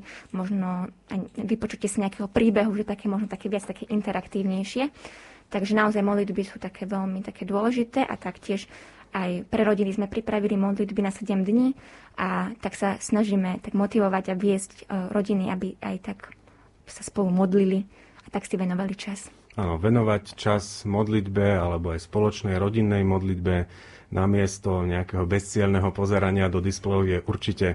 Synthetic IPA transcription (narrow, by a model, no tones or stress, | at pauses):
mɔʒnɔaʋipɔt͡ʃucɛsiɲɛakɛːɦɔpɾiːbɛɦuʒɛt̪akɛːmɔʒnɔt̪akɛːʋɪat͡st̪akʰɛːʔint̪ɛɾakt̪iːʊɲɛjʃɪɛt̪aɡʒɛnaɔzajmɔd̪lid̪bisuːt̪akʰɛːʋɛlmit̪akɛːd̪ʊɔlɛʒit̪ɛːʔa̰t̪akcɪɛʃ | ajpɾɛɾɔɟinizmɛpɾipɾaʋilimɔd̪lid̪binasɛɟɛmd̪ɲiːʔat̪aksasnaʒiːmɛt̪aɡmɔt̪iʋɔʋaɟaʋɪɛzcɾʔɔɟiniʔabia̰jt̪ak | saspɔlumɔd̪lili | at̪aksiʋɛnɔʋalit͡ʃas | aːnɔʋɛnɔʋact͡ʃasmɔd̪lid̪bɛalɛbɔajspɔlɔt͡ʃnɛjɾɔɟinːɛjmɔd̪lid̪bɛ | nʔamɪɛst̪ɔɲɛakɛɦɔbɛst͡sɪɛlnɛɦɔpɔzɛɾaɲɪad̪ɔd̪isplɛʊjɛʔuɾt͡ʃicɛ